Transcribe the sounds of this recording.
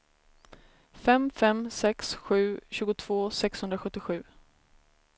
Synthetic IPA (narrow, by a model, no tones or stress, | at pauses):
fɛmfɛmsɛksɧʉ̟ːɕʉ̟ːɡʊt̪ʰv̥oːsɛkshɵnd̪ɾaɧɵt̪ːɪɧʉ̟ː